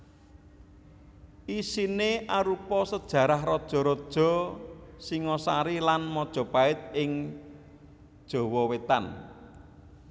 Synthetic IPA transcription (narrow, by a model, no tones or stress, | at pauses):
isineʔaɾupɔsəd̥ʒ̥ä̤ɾahrɔd̥ʒ̥ɔ̤ɾɔd̥ʒ̥ɔ̤siŋɔsa̰ɾilanmɔd̥ʒ̥ɔ̤paɪt̪̚ɪŋ | d̥ʒ̥ɔ̤wɔwet̪a̰n